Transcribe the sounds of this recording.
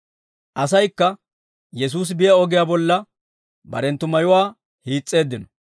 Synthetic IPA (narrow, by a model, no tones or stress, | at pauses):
ʔɐsɐjkːɐ | jɛs̬uːs̬ɪbɪjɐɔɡɪjaːbɔlːɐ | bɐ̰ɾɛnt̪ːʊmɐjʊwaː | hiːt͡sʼːe̞ːd̪ːɪnɔ̥